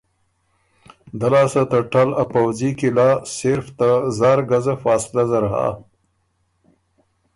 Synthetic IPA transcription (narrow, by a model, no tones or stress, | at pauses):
d̪alaːsat̪ɐʈalapawzikilaːseɾft̪azaːɾɡazafaːslazɐɾɦa̰ː